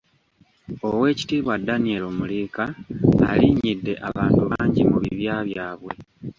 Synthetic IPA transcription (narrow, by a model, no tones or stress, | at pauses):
o̞we̞ːci̥tiːβwadːanie̞lomuliːka̰ːliɲidːe̞ʔaβaːntuβaːɲɟimuβiβjaːβjaːβwe̞